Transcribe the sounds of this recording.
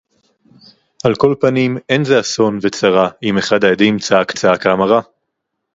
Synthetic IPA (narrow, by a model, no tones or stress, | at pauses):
ʔalko̞lpanime̞nzeaso̞nvet͡saʁaimeχad̪ajad̪imt͡saakt͡saakaːmaʁa